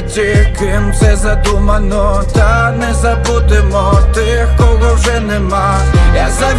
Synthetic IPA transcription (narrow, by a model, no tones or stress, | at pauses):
t͡ɕekɪmsɛzad̪umanɔt̪anɛzabut̪ɛmɔt̪ɪ | xkɔɡɔʐɛnɛma | jazavʲ